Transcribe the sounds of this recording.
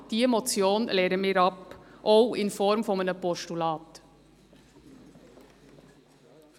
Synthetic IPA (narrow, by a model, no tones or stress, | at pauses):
t̪iːɛmɔt̪sɪoːnleːɾəmeːɾɑpʔɔɪnfɔɾmfɔmenəpɔʂʈʊlɑːt̪